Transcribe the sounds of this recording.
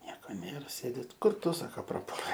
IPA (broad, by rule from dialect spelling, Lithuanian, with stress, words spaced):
ˈnʲiɛkoː ˈnʲeːr ˈsʲeːdʲɪ tʲɪ ˈkʊr ˈtʊ ˈsɑːkɐ prɐˈpuɔlʲɛɪ